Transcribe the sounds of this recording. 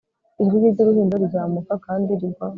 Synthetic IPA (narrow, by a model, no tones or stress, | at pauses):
iɾujiɟiɾuɦiːndaɾuɟaːmukakaːndiɾiɡwa